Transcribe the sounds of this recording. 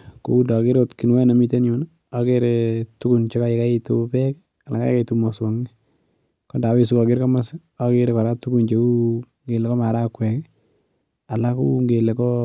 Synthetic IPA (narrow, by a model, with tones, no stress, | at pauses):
ko˦u˦dɔ˨kɪ˦ɾotkɪ˨nwɛ˦na˨mi˦te˦njʊ˨na | ɔkeɾetu˦ku˨nt͡ʃe˦ka˦jɪ˨ka˦ɪtupɛk | a˨la˨ka̰˦ka˦itumo˨swɔ˨ŋi | kɔda˨wɪ˦s̬u˦kɔ˨kɪ˦ɾkɔ˦ma˦sɛ | ɔke˦ɾe˦kɔ˨ɾa˦tu˦ɡu˨nt͡ʃeu˦ | ŋɡe˨lɛ˨kɔ˦ma˨ɾa˦kwɛ˨kɛ | a˨laku˦ŋɡe˨le˨kɔ